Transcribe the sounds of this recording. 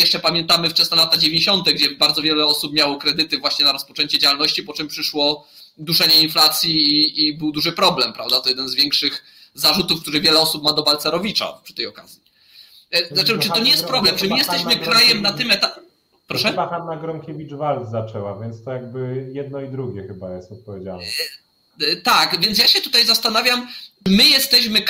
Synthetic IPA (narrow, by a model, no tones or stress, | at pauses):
jɛʂt͡ʂɛpamʲjɛnt̪amɘft͡ʂɛsnɔlat̪ad͡ʑevʲeɲeɕɔnt̪ɛɡd͡ʑɛbaɾd̪zɔvʲjɛlɛɔsupmʲjawɔkɾɛd̪ɘt̪ɘvwaɕɲɛnaɾɔspɔt͡ʂɛɲt͡ɕɛd͡ʑawalnɔɕt͡ɕipɔt͡ʂɛmpʂɘʂwɔ | d̪uʂɛɲɛinflat̪sʲjiːbɘwd̪uʐɘpɾɔblɛmpɾavd̪at̪ɔjɛd̪ɛnzvʲjɛŋkʂɘx | zaʐut̪ufkt̪uɾɛvʲjɛlɛɔsupmad̪ɔbalt̪sɛɾɔvʲit͡ʂa̰pʂɘ̥t̪ɛjɔka̰z̥ʲji | zat͡ʂɛt͡ʂɨt̪ɔɲɛjɛst̪pɾɔblɛmt͡ʂɨmɘjɛst̪ɛɕmɘkɾajɛmnat̪ɘmɛt̪a | pɾɔʂɛbaxanːaɡɾɔŋkʲevʲid͡ʐvalt̪zat͡ʂɛwavʲjɛnt̪st̪ɔjaɡ̚bɘjɛd̪̚nɔid̪ɾuɡʲjɛxɘbajɛst̪ɔt̪̚pɔvʲjed͡ʑaln | t̪akvʲjɛnt̪̬jaɕɛt̪ut̪ajzast̪anavʲjamt͡ʂɘmɘjɛst̪ɛɕmɘk